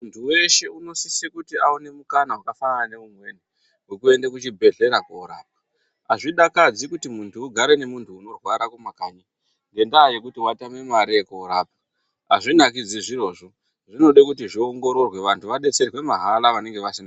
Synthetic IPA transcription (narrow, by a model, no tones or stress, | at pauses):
muntʰuwe̞ʃe̞uno̞sisekutiaune̞mukanawakafananane̞umwe̞ni | ɦwekue̞ndekut͡ʃibʱe̞ɮe̞ɾakuːɾa̰ːp̚ḁ | aʐiɗakad͡zikutimuntʰuːɡʱaɾe̞ne̞muntʰuːno̞rwaɾakumakaɲi | ŋɡe̞ndaːje̞kutiwatamwe̞maɾekuːɾaːp̚ḁ | a̰ʐinakid͡ziʐiro̞ːʐo̞ | ʐino̞ɗekutiʐioŋɡo̞ɾo̞rwe̞ʋantʰuʋaɗe̞t͡se̞rwe̞maɦalaʋane̞ŋɡe̞ʋasina